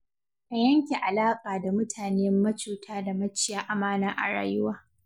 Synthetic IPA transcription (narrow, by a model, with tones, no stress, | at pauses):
ʔa˨jɐ˦ŋkʲe˨ʔa˨laː˦kʼaː˨da˨mʊ˦tʰaː˨neː˦mːɐ˦t͡ʃuː˨tʰaː˦da˨mɐ˦t͡ʃɪ˦jaː˦ʔa˨maː˦naː˦ʔa̰˨ɽa̰ː˦jʊ˦waː˦